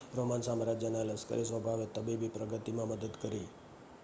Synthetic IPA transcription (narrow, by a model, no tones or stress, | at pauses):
ɾomansamɾad͡ʒjəneləskə̰ɾisʋəbʱaʋet̪əbibipɾəɡət̪imãməd̪əd̪kəɾi